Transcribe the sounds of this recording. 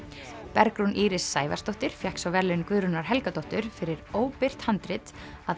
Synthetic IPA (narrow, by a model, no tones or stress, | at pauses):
pɛɾkɾunʔiːɾɪsːaːjva̰st̪ɔht̪ɪɾ̥fjɛhksawvɛɾlɪnkvʏðɾʏnaɾ̥ɦɛlkat̪ɔht̪ʏɾ̥fɪɾɪɾoːwpɪr̥t̪hant̪ɾɪt̪að